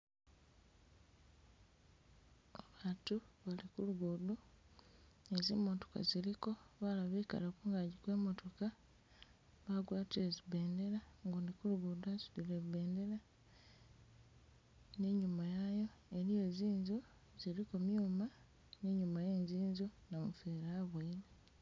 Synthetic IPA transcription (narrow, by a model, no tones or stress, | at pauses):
aβaːtuβalikuluɡuːdu | ezimoto̥ka̰ziɾiko̞βalaβika̰lakuŋɡaɟikwe̞ːmo̞to̞ka | βaɡwaːtezibe̞ːnde̞ɾaŋɡondikuluɡudazu̥lileβbe̞ːnde̞ɾa | neɲumajajo̞e̞ɾije̞ːziːnzo | z̥iɾikomjuːma | neɲumaje̞ːɲziːnzonomufeɾaːβwaile